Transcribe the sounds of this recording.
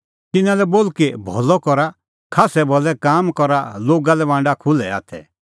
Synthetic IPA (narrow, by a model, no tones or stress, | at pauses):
t̪ɪnãlɛboːlkebʱɔ̰lɔkɔɾa | kʰaːsɛbʱɔlɛkaːmkɔɾaloːɡalɛʋãːɳɖakʰʊlɛa̰ːt̪ʰɛ̰